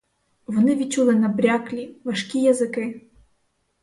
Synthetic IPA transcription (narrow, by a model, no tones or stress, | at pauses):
vnɨvʲit͡ɕulˠɛnɐbɾʲaklʲivɐʂkʲijazɨkɨ